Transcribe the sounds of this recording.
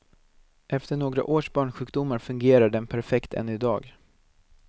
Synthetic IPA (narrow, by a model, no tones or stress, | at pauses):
ʔɛft̪əɳoːɡɾa̰ʔoːʂbɑːɳɧʉ̟ːk̚d̪ʊmːaɾfɵŋɡeːɾaɖɛnpʰæɾfɛkt̪ʰɛ̰nɪd̪ɑ̰ːɡ